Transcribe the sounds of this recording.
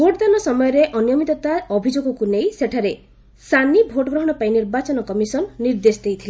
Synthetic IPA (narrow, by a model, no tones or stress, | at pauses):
bʱoʈɔd̪anɔsɔmɔjɔɾeʔɔnijɔmit̪ɔt̪aɔbʱid͡ʒoɡɔkunejseʈʰaɾe | sanibʱoʈɔɡɾɔɦɔɽ̃ɔpaĩniɾbat͡ʃɔnɔkɔmisɔnːiɾd̪esd̪ejt̪ʰile